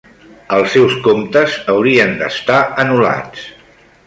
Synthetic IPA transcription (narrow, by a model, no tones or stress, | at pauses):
əlˠsːɛwskomt̪əzəwɾiənd̪ə̰st̪aənula̰t͡s